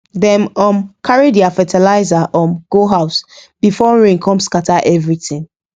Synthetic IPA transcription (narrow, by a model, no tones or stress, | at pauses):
dɛ̃mɔ̃mkʰaɹediafɛtʰɛlaɪzaʔɔ̃mɡ̥oɦaʊsb̥ifɔɹẽŋkʰɔ̃mskatʰaʔɛvɹitĩŋ